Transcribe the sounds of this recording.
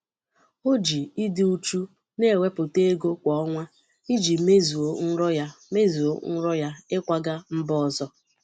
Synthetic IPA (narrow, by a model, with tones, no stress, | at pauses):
o˦d͡ʒi˨i˦dɪ˨u˦t͡ʃu˦ | ne˦˨we˦pʊ˨te˦e˦ɡo˦kʷɔ˦ɔ˦ŋʷa˦ | i˦d͡ʒi˨me˦zu˨o˦n̩˦ɾɔ˦ja˦me˦zu˨o˦n̩˦ɾɔ˦ja˦ɪ˦kʷa˦ɡa˦m̩˦bɔ˦˨zɔ˦